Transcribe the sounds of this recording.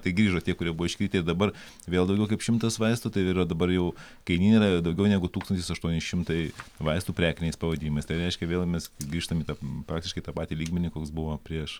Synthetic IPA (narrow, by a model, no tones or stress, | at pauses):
t̪ɐɪɡɾʲiːʒoːt̪ʲiɛkʊɾʲiɛbuʋːɪʃʲkʲɾʲiːt̪ʲɪɪɾd̪ɐbɐr | ʋʲeːlˠd̪ɐʊɡʲɛʊkɐpʃʲɪmt̪ɐsʋɐɪst̪uːt̪ɐɪɪɾɐd̪ɐbɐrjɛʊ | kɐɪnʲiːnʲiːɾɐd̪ɐʊɡʲɛʊnʲæɡʊt̪uːkst̪ɐnt̪ʲɪsɐʃt̪uɔnʲɛʃʲɪmt̪ɐɪʋɐɪst̪uːpʲɾʲæːkʲɪnʲɛɪspɐʋɐd̪ʲiːɪmɐɪst̪ɐɪɾʲɛɪʃʲkʲɛʋʲeːlˠmʲɛsɡɾʲiːʃt̪omiːt̪ɐpɾɑːk̚tʲɪʃkɐɪt̪ɑːpɑːt̪ʲilʲiːɡmʲɛnʲɪkoːksbʊʋoːpʲɾʲiɛʃ